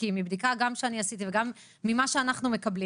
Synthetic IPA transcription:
imibd̪ikaɡamʃeaniasit̪iveɡamː | imaʃeanaχnume̞kɐbli

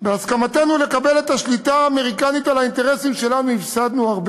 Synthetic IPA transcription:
beaskamat̪enulekabe̞le̞t̪aʃlit̪aːme̞ʁikanit̪alaint̪e̞ʁe̞simʃe̞lanuifsad̪nuaʁb

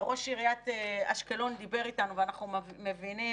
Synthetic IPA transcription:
ʁo̞ʃiʁijat̪eaʃkelo̞nd̪ibe̞ʁitanuveanaχnumevini

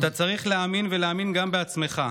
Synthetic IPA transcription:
t̪at͡saʁiχleaminveleaminɡambe̞at͡sme̞χa

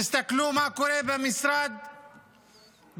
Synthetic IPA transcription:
ɪst̪akluːmaʕkʊɾeːbamɪsɾɑːd̪̚ | b

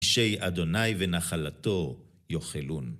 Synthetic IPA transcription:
ʃejʔad̪o̞najvenaχalato̞ | jo̞χelun

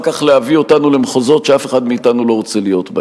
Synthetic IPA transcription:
kaχleavio̞tanulemχozo̞t̪ʃeafeχad̪miːtanulo̞ʁot͡selijo̞t̪b

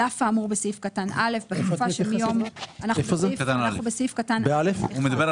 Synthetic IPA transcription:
afaːmuʁbesifkatanʔale̞fbetfufaʃemijomanaχeufozekt̪anaaenubesifkatanbealefumed̪abeʁ

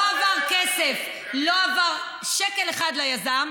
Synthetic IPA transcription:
avaʁkesef | loavaʁ | ʃekeleχad̪lojazam

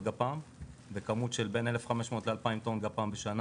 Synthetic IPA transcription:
ɡapaːmbekamut̪ʃe̞lbe̞ne̞le̞fχame̞ʃmo̞ːtlealpaimt̪onɡapaːmbeʃana

